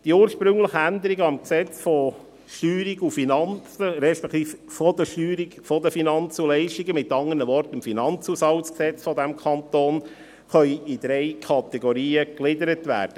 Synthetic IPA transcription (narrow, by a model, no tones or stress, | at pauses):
d̪̥iuːɾʃpɾɵŋləχəænd̪əɾiɡəɑmksɛt͡sfɔ | ʃtyːɾiɡufinɑnt͡səɾɛʃpɛkt̪iːffɔd̪əʃtyːɾiɡfɔd̪əfinɑnt͡sulɛɪʃtiɡəmɪt̪ɑŋənəʋɔrt̪əmfinɑnt͡sushɑwsksɛt͡sfɔd̪æmkʰɑnt̪oːn | χœʏid̪̥ɾɛɪkʰɑt̪ɛɡoɾiːəklɪdəɾətʋæ̰ːɾd̥ə